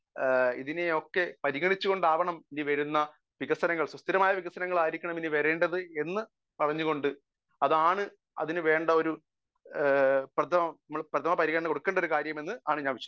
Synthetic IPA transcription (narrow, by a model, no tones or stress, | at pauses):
ḭðineokːe̞pɐɾiɣɐɳit͡ɕːuɣo̞ɳɖaːʋɐɳɐminiʋɐɾunːɐ | ʋiɣɐsɐnɐŋːɐɭswɐst̪iɾɐmaːjɐʋiɣɐsɐnɐŋːɐɭaːjiɾikʲːɐɳɐminiʋɐɾeːɳɖɐðɨe̞nːɨ | pɐrɐɲːuɣo̞ɳɖɨ | ɐðaːɳɨ | ɐ̰ðinɨʋe̞ːɳɖɐo̞ɾu | prɐt̪ʰɐmɐɐmːɐɭprɐt̪ʰɐmɐpɐɾiɣɐɳɐɳɐko̞ɽukːeːɳɖɐo̞ɾukaːɾjɐme̞nːɨaːɳɨɲaːnʋit͡ɕːɐ